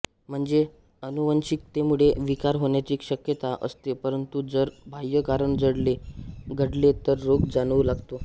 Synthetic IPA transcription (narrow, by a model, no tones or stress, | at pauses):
m̤əɳd͡ze | ənuʋənɕik̚t̪emuɭeʋikaɾɦoɳjat͡ɕiːkɕəkjət̪aʔə̰st̪epəɾənt̪ud͡zəɾbʱajəkaɾəɳd͡zəɽleɡʱəɽlet̪əɾːoɡd͡zanʋulaɡt̪o